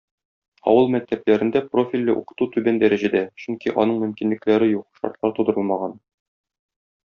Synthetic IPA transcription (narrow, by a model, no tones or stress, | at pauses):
ɒ̰wɤlˠmæk̚t̪æplæɾɘ̆nd̪æprofʲilʲːɘʔṵqɤ̥̆t̪ut̪ʉbænd̪æɾæʑæd̪æɕɵŋkiʔɒ̰nɤɴmɵ̆mkinlɘ̆klæɾɘjuq̚ʃɒ̰ɾt̪lˠɑɾt̪ud̪ɤ̆ɾɤlˠmɑʁɑn